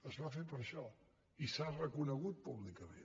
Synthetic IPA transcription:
əzβafepəɾʃɔ | isarəkunəɣut̪̚puβlikəmḛ

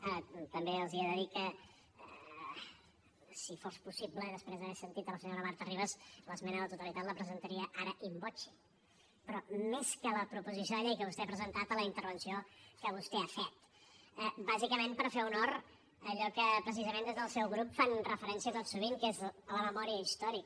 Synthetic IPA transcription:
ət̪əmbeəlˠziəðəðikə | sifospusibləðəspɾezðəɛsənt̪it̪ələsəɲoɾəβaɾt̪əriβəzləzmɛnəðət̪ut̪əlit̪at̪ləpɾəzənt̪əɾiəʔaɾəʔimbot͡ʃi̥ | pɾɔmeskələpɾupuzisioðəʎejkəβust̪eapɾəzənt̪at̪ələint̪əɾβənsiokəβust̪eafɛt̪ | əbazikəmempəɾfeunor | əʎɔkəpɾəs̬izəmẽnd̪ezðəlˠsɛwɣɾupfanrəfəɾɛnsiət̪ot̪suβiŋkezləməmɔɾiəist̪ɔɾik

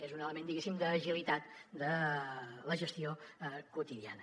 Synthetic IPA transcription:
ezunələmẽnd̪iɣesimd̪əːʒilit̪at̪d̪ə | ləʒəst̪iokut̪iðia̰nə

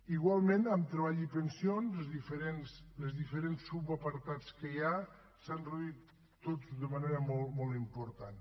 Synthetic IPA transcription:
iɣwalˠmẽnəmt̪ɾəβaʎipənsionzəzðifəɾensləzðifəɾensːuβapəɾt̪at͡skəja | sanreuit̪ː | ozdəmaneɾəmolˠmolˠt̪impuɾt̪an

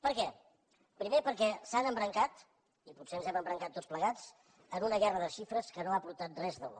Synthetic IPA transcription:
pəɾkɛ | pɾimepəɾkɛsanəmbɾəŋkat̪ | iputseənzɛməmbɾəŋkat̪ːott͡sspləɣat͡s | ənunəɣɛrəðəʃifɾəskənoapuɾt̪at̪̚rɛzðəlo̰

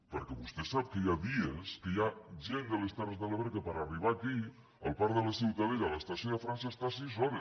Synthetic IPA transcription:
pəɾkɛβust̪ɛsap̚kəjaðiəskəjaʒend̪əlest̪arezðələβɾekəpəɾariβaki | ə̰lˠpaɾðələsiwt̪əðeʎələst̪əsjoðəfɾansəest̪asizɔne

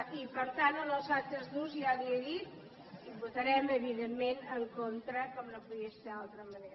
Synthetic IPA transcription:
ipəɾt̪anonosat̪əzðuziaðieðit̪ | ibut̪əɾɛməβiðemːenəŋkont̪ɾəkɔmnəpuðiəsfealˠt̪ɾəməneɾ

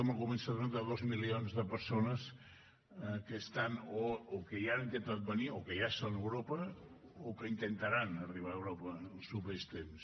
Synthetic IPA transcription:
oməlˠɣumensəðond̪əðozmilionzðəpəɾsonəs | kəst̪anookəjanint̪ent̪at̪̚bəniokəjasonəwɾopə | okəint̪ənt̪aɾanəriβ̞aəwɾopəːlˠsupest̪ems

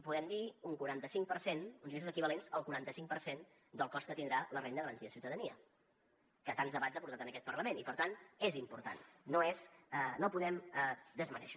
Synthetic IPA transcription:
puðɛmd̪iuŋkuɾant̪əsiŋpəɾsenunzmesuzəkiβəlenzəlˠkuɾant̪əsiŋk̚pəɾsen | d̪əlˠkɔskət̪ind̪ɾalərend̪əɣəɾənt̪iəsiwt̪əðəniə̰ | kət̪anzðəβatzəpuɾt̪at̪ənəkɛt̪̚pəɾləmenipəɾt̪anezimpuɾt̪a̰nːoeznopuðɛmd̪əzmənɛ̰ʃ

